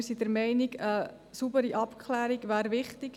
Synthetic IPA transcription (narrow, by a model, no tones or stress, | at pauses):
ɾsidəɾmɛɪnɪɡə | subəɾiʔɑpkʰχlæːɾiɡvæːɾʋɪχtɪɡ̥